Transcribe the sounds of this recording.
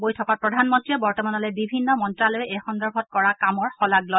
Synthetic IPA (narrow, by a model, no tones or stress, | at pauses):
bojtʰɔkapɹɔdʱanmɔntɹiɛbɔɹtɔmanɔlojbibʱinːɔmɔntɹalojɛxɔndɔɹbʱɔt̚kɔɹakamɔɹxɔlaɡlɔj